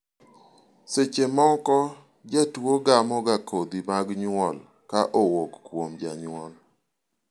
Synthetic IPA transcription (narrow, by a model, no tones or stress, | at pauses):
set͡ʃemɔkɔ | d͡ʒatuoɡamɔɡakʰod̪imaɡɲwɔl | kaʔowɔkːwomd͡ʒa̰ɲwɔl